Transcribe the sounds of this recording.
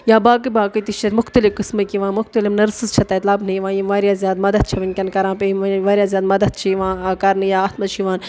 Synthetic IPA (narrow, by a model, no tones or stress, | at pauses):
jaːbaːkɨbaːkɨt̪it͡ʃʰɐt̪mʊxt̪ɐlifkɨsmɐkiʋãːmʊxt̪ɐlifnɐɾsɨzt͡ʃʰɐt̪ɐːt̪lɐbnɨjʋãːjimʋaːɾjaːzjaːd̪mɐd̪ɐd̪̚t͡ʃʰɐʋɐnʲkʲɐnkɐɾãːpeiʋɐʋaːɾʲjaːzjaːd̪mɐd̪ɐd̪̚t͡ʃʰiʋãːkɐɾnɨjaːɐt̪mɐt͡ʃʰiʋãːn